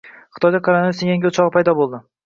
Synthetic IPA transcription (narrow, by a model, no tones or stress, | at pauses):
χt̪ʰɒjd̪akʰaɾanojsejaŋɡʲɪʊt͡ʃʰɒʁɨpʰajd̪ɒbolˠd̪ɪ